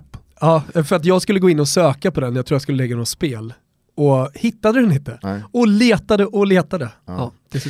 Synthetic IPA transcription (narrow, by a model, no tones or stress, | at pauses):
ɑːfœɾat̪̬jɑːɡskɵlːəɡoːɪnːɔsøːkapʰɔd̪ɛnjaɡt̪ʰuːjaskɵlːəlɛɡːad̪ɔmspeːl | ɔhɪt̪ːad̪əd̪ɛnɪnt̪əɔleːt̪ad̪əʔɔleːt̪ad̪ə̥